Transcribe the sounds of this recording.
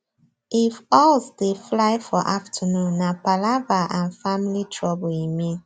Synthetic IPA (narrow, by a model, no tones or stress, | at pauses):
ifɔlsdeflaɪfɔʔaftʰənũnːapalavaʔãnfamilitʰɹɔbɔimĩn